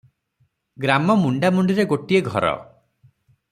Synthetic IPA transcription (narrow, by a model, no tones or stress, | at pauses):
ɡɾamɔmuɳɖamuɳɖiɾeɡoʈieɡʱɔɾɔ̰